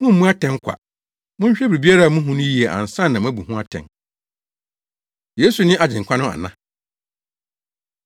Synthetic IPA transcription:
mʊ̃˦m̩ː˨˦ũ˦a˦tʰɛ̃˦ŋ˦kʷʰa̰˨ | mʊ̃˦ɲ˦ɕᶣɛ˦bɾi˨bi˦a˦ɾa˦˨mũ˦ɦũ˦nʊ̃˦ji˨˦e˨ʔã̰˨n̩˨sã˦nː˨ã˨m̃˦æ˦bu˨hũ˦a˦tʰɛ̰̃˨n | je˦su˨nɪ̃˦ʔa˨d͡ʑɪ̃˨ŋ˨kʷʰã˦nʊ̃˦a̰˨nã̰˦˨

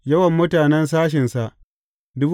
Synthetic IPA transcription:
jɐ˦wɐ˨mːʊ˦taː˨nɛ˦ns̬aː˦ʃ̬ɪ˨nsa˨ʔ | dʊ˦b

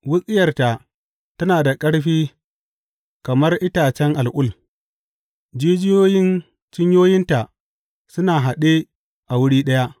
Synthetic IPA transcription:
wʊ˦sʼɪ˦jɐ˨rta˨ | tɐ˦naː˨da˨kʼɐ˦ɽɸiː˦ | kɐ˨mɐ˦rʔɪ˦taː˨t͡ʃɛ˦ŋʔa˨lʔʊ˦˨l | d͡ʒiː˦d͡ʒɪ˦joː˦jɪ˦n | t͡ʃɪ˦ɲjoː˦jɪ˦nta˨ʔ | sʊ˦naː˨ɦa˨ɗe˦ | ʔa˨wʊ˦ɽiː˦ɗɐ˦ja˦ʔ

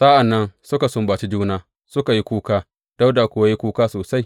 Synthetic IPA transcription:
sa˦ʔa˨nːɐ˦nsʊ˦ka˨sʊ˦mbaː˨t͡ʃi˦d͡ʒuː˦naː˦ | sʊ˦ka˨ji˦kʷuː˦kaː˦ | d̥a˦wda˨kʷʊ˨˦a˦ji˦kʷuː˦kaː˦soː˨sa˦j

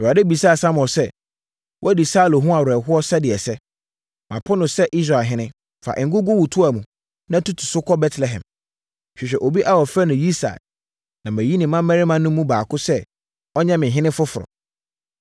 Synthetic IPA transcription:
a˨dɛ˦bi˨sa˦˨sa˦mɔ̃˨sɛ˦ | wʔɔ˦æ˦di˨saː˦lo˨ɦũ˦a˨wɛ˨ɦʊ˦ɔ˦sɛ˦dɪ˨ɛ˨sɛ˦ | mã˨pʰʊ˦nʊ̃˨sɛ˦ʔi˦s̬ɾa˨ɦɪ̃˦nɪ̃˦ | fa̰˨ʔɪ̃˨ŋ̩˦ɡʊ˦ɡʊ˦wu˨tʰʊ˦a˨mũ˨ | nã˦tʰu˦tʰu̥˨sʊ˦kʰɔ˦bɛ˦tʰlɛ˨ɦɛ̰̃˨m˨ | ɕᶣi˨ɕᶣɛ˨ʔo˨bi˦ʔa˦wɔ˨fɾa˦nʊ̃˨ji˦sa̰˨ | nã˨mæ̃˨ji˦nɪ̃˨mã˦mɛ̃˦ɾɪ˦mã˦nʊ̃˦mũ˦baː˨kʊ˦sɛ˦ | ɔ˦ɲɛ̃˦mɪ̃˨ɦɪ̃˦nɪ̃˦fʊ˦fʊ˨ɾɔ̰˨

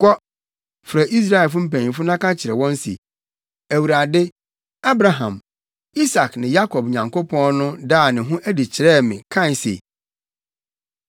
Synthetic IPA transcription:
kɔ˦ | fɾa˨ʔi˦s̬ɾa˦˨ɛ˨lf̬ʊ˦m̩˦pæ̃˨ɲĩ˨fʊ˦nã˦kã˦t͡ɕʰɪ˨ɾɛ˨wɔ̃˦n˦sḭ˨ | æ˨wu˨ɾa˨dɪ˦ | a˦bɾa˨ɦã̰˨m | i˦sa˨knɪ̃˨ja˦kʰɔ˨b̚ɲã˨ŋko˦pʰɔ̃˦nʊ̃˦daː˦˨nɪ̃˨ɦũ˦ʔæ˦di˨t͡ɕʰɪ˨ɾɛː˦˨mɪ̃˨kʰã˦˨n˨sḛ˨

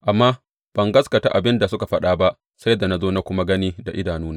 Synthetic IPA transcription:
ʔa˨mːaː˦ | b̥ɐ˨ŋɡɐ˦skɐ˨ta̰˦ʔa˨bɪ˦nda˨sʊ˦ka˨ɸɐ˦ɗaː˦ba˦ʔ | sa˦jda˨na˦zoː˦na˦kʷʊ˦ma˦ɡɐ˦niː˦da˨ʔɪ˦daː˨nuː˦naː˦

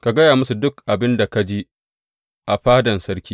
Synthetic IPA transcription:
ka˨ɡɐ˦jaː˨mʊ˦su˨dʊ˦kʔa˨bɪ˦nda˨ka˦d͡ʒiː˦ | ʔa˨ɸaː˦dɐ˨nsɐ˦ɽkʲiː˦

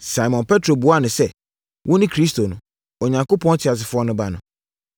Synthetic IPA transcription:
sa˨mɔ̃˨npʰɛ˦tʰɾo˨bu˨a˦˨nʊ̃˨sɛ˦ | wʔɔ̃˦nɪ̃˦kʰɾi˦stʰo˨nʊ̃˨ | o˨ɲã˨ŋko˦pʰɔ̃˦n˦tʰɪ˨a˨s̬ɪ˨fʊ˦ɔ˦nʊ̃˦ba˦nʊ̃˨

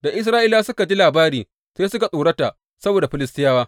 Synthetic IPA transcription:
da˨ʔɪ˦s̬ɾaː˦ʔiː˦laː˦sʊ˦ka˨d͡ʒi˦laː˨baː˦ɾiː˨ | seː˦sʊ˦ka˨sʼuː˨ɽɐ˦ta˨ʔ | sɐ˦boː˨da˨ɸɪ˦lɪ˦stɪ˦jaː˦waː˦

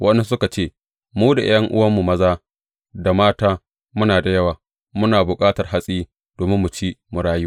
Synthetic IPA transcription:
wʔɐ˦ni˦sʊ˦ka˨t͡ʃeː˦˨ | muː˦da̰˨jʔɐ˦ŋʔʊ̰˦wɐ˦mːu˨mɐ˦zaː˦ | da˨maː˦taː˦ | mʊ˦naː˨da˨jɐ˦waː˨ | mʊ˦naː˨bʊ˨kʼaː˦tɐ˨rɦa˦sʼiː˦ | d̥oː˨mɪ˦mːʊ˨t͡ʃiː˦mʊ˨ɽaː˦ju˦

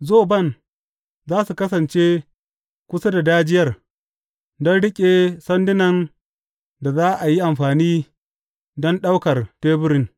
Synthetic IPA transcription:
zoː˦˨bɐ˦˨n | zaː˦su˨kɐ˦s̬ɐ˨nt͡ʃe˦ | kʷʊ˦sa˦da˨daː˦d͡ʒɪ˦jɐ˦r | dɔ˦nɽɪ˦kʲʼe˨sɐ˦ndɪ˦nɐ˨n | da˨zaː˦ʔa˨ji˦ʔa˨mɸaː˨niː˦ | dɔ˦nɗa˦wkɐ˨rteː˦bʊ˦ɾɪ˦n

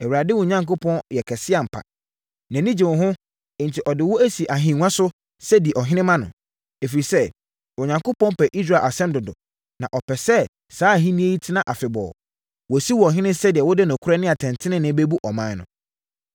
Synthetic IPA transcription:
ɛ˨wu˨ɾa˨dɪ˦wʊ˨ɲã˨ŋko˦pʰɔ̃˦njɛ˨kʰɛ˨sɪ˦a˨m̩˨pʰa̰˨ | næ̃˨nĩ˦d͡ʑɪ̃˨ʊ̃˨ɦʊ̃˦ | ɪ̃˨n˨tʰɪ˨ʔɔ˨dɪ˨wɔ˦æ˦si˨ʔa˨ɦĩ˨ŋ˦ã˦sʊ˦ | sɛ˦di˨ʔɔ˨ɦɪ̃˦nɪ̃˦mã˦nʊ̰̃˨ | e˨fi˨ɾi˨sɛ˦ | wɔ˨ɲã˨ŋko˦pɔ̃˦m˦pʰɛ˨ʔi˦s̬ɾa˨ʔa˨sɛ̃˦mdʊ˨dʊ̰˨ | nã̰˨ʔɔ˨pʰɛ˨sɛ˦ | saː˨˦˨ɦĩ˦nĩ˦e˦ji˦tʰɪ˦nã˦ʔa˨fɪ˨bɔ̰ː˨ | wɔ˨si˦wɔ˨ɔ˨ɦɪ̃˦nɪ̃˦sɛ˦dɪ˨ɛ˨wɔ˦dɪ˦nʊ̃˨kʰʊ˦ɾɛ˦nɪ̃˦a˨tʰɛ̃˨ntʰɪ̃˦nɪ̃˦nɪ̃˦be˦bu˦ʔɔ˨mã˦nʊ̰̃˨

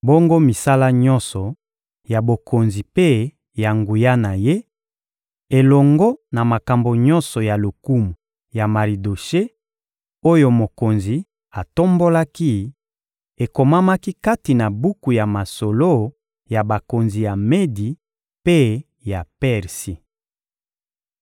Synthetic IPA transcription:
bo˦ŋɡo˦mi˨sa˦la˦ɲɔ˦nsɔ˨ | ja˨bo˨kʰo˨nzi˨pe˦ | ja˨ŋɡu˨ja˦na˨je˦ | e˨lɔ˨ŋɡɔ˦na˨ma˨ka˨mbo˨ɲɔ˦nsɔ˨ja˨lo˨ku˦mu˨ | ja˨ma˨ʁi˨do˨ʃe˦ | o˦jo˦mo˨ko˨nzi˨ | a˨to˦mbo˦la˦ki˦ | e˨ko˨ma˦ma˦ki˦ka˦ti˨na˨bu˦ku˨ja˨ma˨so˨lo˦ | ja˨ba˨ko˨nzi˨ja˨me˦di˨ | pe˦ | ja˨pɛ˦˨ʁsi˨

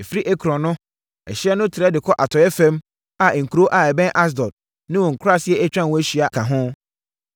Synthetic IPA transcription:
ɛ˨fi˦ɾi˦ʔɛ˦kʰɾɔ̃˨nːʊ̃˦ | ɛ̰˨ɕɪ˦ɛ˦nʊ̃˦tʰɪ˨ɾɛ˦dɪ˨kʰɔ˦ʔa˨tʰɔ˨jɛ˦fɛ̃˦m | a˨ŋ̩˨kʰu˨ɾo˦ʔa˨ɛ˨bɛ̃˦nʔa˦s̬dɔ˨d̚ | nɪ̃˦wɔ̃˨ŋ̩˨kʰɾa˦sɪ˦ɛ˦ɛ˦t͡ɕᶣɾã˦n˨wɔ̃˦ɕi˨a˨kʰã˨ɦʊ̃˦

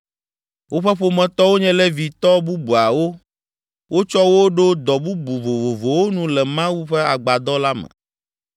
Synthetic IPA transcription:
wʔo˦ɸɛ˦ɸo˨mɛ̃˨t̪ɔ˦wo˦ɲɛ̃˦lɛ˦vi˨t̪ɔ˦bu˦bu˨a˨wo˦ | wo˦t͡ʃɔ˦wo˦ɖo˦d̪ɔ˨bu˦bu˨vo˨vo˨vo˨wo˦nũ˦lɛ˨mã˦wu˦ɸɛ˦a˨ɡ͡ba˨d̪ɔ˦la˦mɛ̰̃˨

